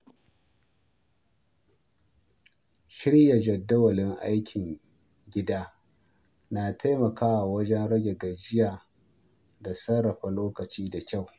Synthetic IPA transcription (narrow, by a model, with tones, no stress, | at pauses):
ʃɪ˦ɽja˨d͡ʒɐ˨dːɐ˦wɐ˨lɪ˦ŋʔa˦jkʲʰɪ˨ŋ | ɡʲɪ˦daː˦ | na˨tʰa˦jmɐ˨kaː˦wa˨wɐ˦d͡ʒɛ˦nɽɐ˦ɡʲe˨ɡɐ˨d͡ʒɪ˦jaː˨ | da˨sɐ˦ɽɐ˨ɸa˨loː˦kɐ˨t͡ʃiː˦da˨kʲa˦˨w